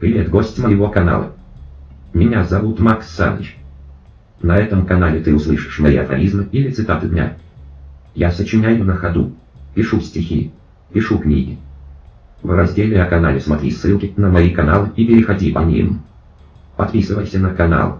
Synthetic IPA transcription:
pɾʲɪvʲet̪ɡo̞sʲtʲməjɪvo̞kɐna̰lˠə̰ | mʲɪnʲazɐvut̪maksːa̰nə̰t͡ɕ | nɐɛt̪əmkɐnalʲɪt̪ɨʊslˠɨʂɨ̥ʂmɐiɐ̰fɐ̰lʲizmɨilʲɪt̪sɨt̪at̪ɨd̪ʲnʲa̰ | jasət͡ɕɪnʲæjʊnəxɐd̪ṵ | pʲɪʂusʲtʲɪxʲḭ | pʲɪʂuknʲḭɡʲɪ | vrɐzʲdʲelʲɪɐkɐna̰lʲɪsmɐt̪ɾʲḭsːɨlˠkʲɪnəmɐikɐnalˠɨipʲɪɾʲɪxɐdʲipɐnʲḭm | pɐt̪̚pʲisɨvəjsʲənəkɐna̰lˠ

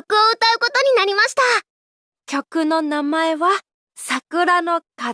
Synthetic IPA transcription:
okɯ̟oɯ̟t̪aɯ̟ko̞t̪o̞ɲ̟inaɾʲimaɕi̥t̪a | kʲo̞kɯ̟no̞namae̞βa | sakɯ̟ɾano̞ka

